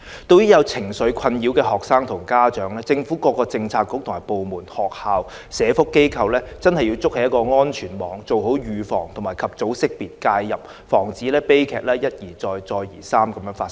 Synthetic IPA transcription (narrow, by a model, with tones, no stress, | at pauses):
t̪o˥˧wjyː˥jɐ˨˧wt͡sʰɪ˨˩ŋsɵ˨˧˥ɥkʰɐ˧njiː˨˥wkɛː˧ɦɔː˨k̚saː˥ŋt̪ʰʊ˨˩ŋkaː˥t͡ʃœː˨˥ŋlɛː˥t͡sɪ˧ŋfuː˨˥kɔː˧kːɔː˧t͡sɪ˧ŋt͡sʰaː˧t̚kʊ˦˥k̚t̪ʰʊ˨˩maː˨˩po˨wmuː˨˩nhɔː˨k̚haː˨w | sɛː˨˧fʊ˥kːe˥jkʰɐ˧wlɛː˥t͡sɐ˥nhɐ˨˩ji˧wt͡sʊ˥k̚hɐ˨˦jɐ˥tkɔː˧ŋɔː˥nt͡ʃʰyː˨˩nmɔː˨˥ŋt͡so˨wɦo˨˥wjyː˨fɔ̰ː˨˩ŋt̪ʰʊ˨˩ŋmaː˨˩jkʰɐ˨p̚t͡so˨˥wsɪ˥k̚piː˨t̚kaː˧jːɐ˨p̚ | fɔː˨˩ŋt͡siː˨˥lɛː˥pe˥jkʰɛː˨k̚lɛː˥jɐ˥t̚jiː˨˩t͡sɔː˧jt͡sɔː˧jjiː˨˩saː˥mkɐ˨˥mjœː˨˧˥ŋfaː˧s